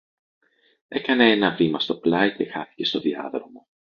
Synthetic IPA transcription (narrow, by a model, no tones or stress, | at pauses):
e̞kɐne̞enɐvimɐst̪o̞plɐjce̞xɐθi̥ce̞st̪o̞ðiɐ̰ðɾo̞mo̞